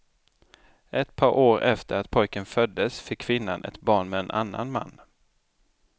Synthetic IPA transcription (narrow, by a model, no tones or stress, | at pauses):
ʔɛt̪pʰɑːɾʔoːɾɛft̪əɾat̪pʰɔjkənfœd̪ːəsfɪkʰːvɪnːa̰nʔɛ̰t̪bɑːɳmɛɛnʔa̰nːa̰nma̰nː